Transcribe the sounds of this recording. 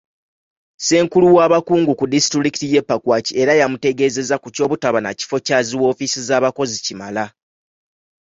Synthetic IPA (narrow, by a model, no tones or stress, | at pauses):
se̞ːŋkuluwaːβakuːŋɡukudisitiɾikitije̞pːakwaːcie̞ɾajamute̞ɡe̞ːze̞zakuco̞ːβutaβana̰ci̥fo̞caːziwo̞ːfisizaːβako̞zicima̰la